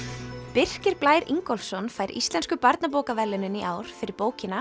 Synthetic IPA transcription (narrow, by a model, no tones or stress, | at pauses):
pɪr̥cɪɾplaːjɾiŋkɔlfsɔnfaːjɾḭst̪lɛnskʏpaɾt̪nap̬ɔːwkavɛlːɪnɪniʔaːwɾ̥fɪɾɪɾpoːwcɪna